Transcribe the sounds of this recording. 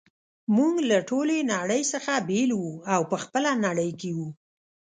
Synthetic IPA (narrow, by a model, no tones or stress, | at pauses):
muŋɡlaʈolenaɽəjsəxabelwuawpəxpəlanaɽəjkewu